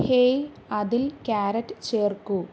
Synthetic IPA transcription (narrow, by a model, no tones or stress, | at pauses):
heː | ɐðilkaːɾɐʈːɨt͡ɕeːrku